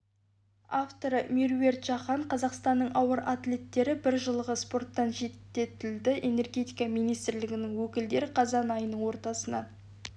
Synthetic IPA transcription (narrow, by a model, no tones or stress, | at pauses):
aft̪o̞ɾəmiɾve̞rt̪ʒɑχɑɴqʰɑzɑqst̪ɑnːəɴʔɑwəɾat̪le̞t̪ːe̞ɾɪbɪɾʒəlˠəʁəspo̞rt̪ːɑnʒe̞t̪ːe̞t̪ɪld̪ɪʔe̞ne̞rɡʲe̞t̪ijkɑmijnijst̪ɪɾlɪɡʲɪnɪŋwɵkʲɪld̪e̞ɾɪqʰɑzɑnɑjənəɴwo̞ɾt̪ɑsənɑ̰